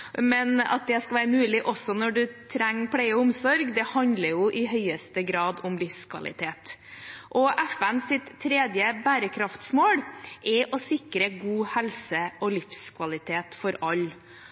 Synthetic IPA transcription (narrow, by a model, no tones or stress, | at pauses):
mɛnɑ̰t̪̚d̪ɛskɑlʋæːɾəmʉːlɪʔɔsːɔnɔɖʉt̪ʰɾɛŋːpʰɽæɪəʊmsɔɾɡd̪ɛhɑnd̪ləɾjʊʔɪɦœʏəst̪əɡɾɑːd̪ʊmlɪfskʰʋɑ̰lɪ̰t̪ʰeːt̪ʔɔʔæfænsɪt̪ʰːɾeːd̪jəbæːɾəkʰɾɑft̪smoːɽʔɛʔɔsɪkɾəɡuːhɛlsəʔɔlɪfskʰʋɑlɪt̪ʰeːt̪fɔɾɑlː